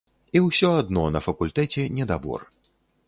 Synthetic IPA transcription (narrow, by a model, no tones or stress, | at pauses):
iwsʲɔad̪nɔnɐfɐkulʲt̪ɛt͡sʲɛnʲɛd̪abɔ̰r